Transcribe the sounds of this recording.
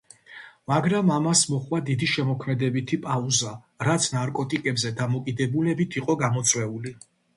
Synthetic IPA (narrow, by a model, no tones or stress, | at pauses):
maɡɾamamasmɔχwad̪id̪iʃɛmɔkʰmɛd̪ɛbit̪ʰipʼauza | ɾat̪sʰnaɾkʼɔt̪ʼikʼɛbzɛd̪amɔkʼid̪ɛbulɛbit̪ʰiqʼɔɡamɔt̪sʼwɛuli